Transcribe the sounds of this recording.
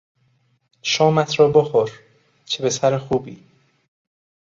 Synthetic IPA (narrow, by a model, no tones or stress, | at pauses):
ʃɒːmæt̪ʰɾɒːboxoɾ | t͡ʃʰebe̞sæɾexuːbḭː